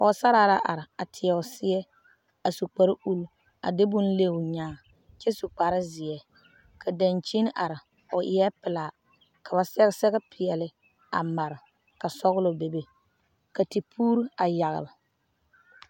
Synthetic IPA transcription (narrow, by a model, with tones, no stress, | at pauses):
ʔɔ˨sa˦ɾaː˦la˦ʔa̰˨ɾɪ˨a˨tʰɪ˨ɛ˨ʊ˨sɪ˦ɛ˦ | a˨su˨k͡pa˨ɾʔu˦l | a̰˨dɪ˦bʊ˦nle˦ʊ˨ɲaː˨ | t͡ʃɛ˦su˨k͡pa˨ɾɪ˦zɪ˨ɛ˨ | kʰa˨da˨nt͡ʃi˦n˦ʔa˨ɾɪ˨ | ʊ˨ʔɪ˨˦ɛ˦pɪ˨la˨ | kʰa˨ba˨sɛ˦ɣsɛ˦ɣɛ˦pʰɪ˨ɛ˨lɪ˦ | a̰˨ma˨ɾɪ˨ | ka˨sɔ˦ɣʊ˦lʊ˨be˨be˦˨ | ka˨ti˨pʰuː˦ɾa˨ja˨ɣɪ̰˨lɪ˨